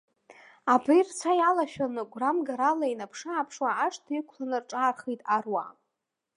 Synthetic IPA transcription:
abɨjrt͡sʷʰajalaʃᶣanɨɡʷramɡaɾalainapʰʂaːpʰʂwaːʂtʰikʷʰlanɨrʈ͡ʂʼaːrχijtʼarwa̰

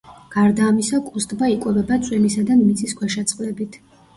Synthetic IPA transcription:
ɡ̥aɾd̪aːmisɔkʼust̪ʼbaikʼwɛvɛbat̪sʼwɛnisad̪anmit̪sʰʼiskʰwɛʃat̪sʼqʼlɛbit̪ʰ

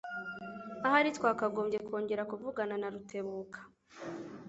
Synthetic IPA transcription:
ahaɾitwaːkaɡo̞ːmɟe̞ko̞ːɲɟe̞ɾakuvuɡananaɾutʰe̞βuːkʰḁ

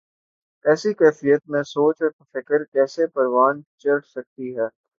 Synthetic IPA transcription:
ɛːsikɛːfijət̪̚mẽsoːt͡ʃɔɾfɪkəɾkɛːsepɐɾʋaːnt͡ʃɐʈsɐk̚t̪iɦɛː

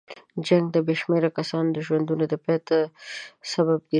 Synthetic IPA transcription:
d͡ʒaŋɡ̚d̪əbeʃmeɾakasɑnod̪əʒwand̪unod̪əpɛt̪əsabab̚ɡi

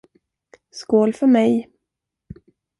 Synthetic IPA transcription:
skoːlfœmɛj

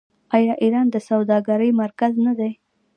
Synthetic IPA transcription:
ɑjɑʔiɾɑnd̪əsawd̪ɑɡaɾəjmaɾkaznad̪aj

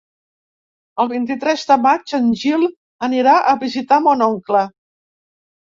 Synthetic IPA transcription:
əlˠβint̪it̪ɾɛzd̪əmad͡ʒənʲʒilˠ | əniɾaʔəβizit̪amonɔŋklə

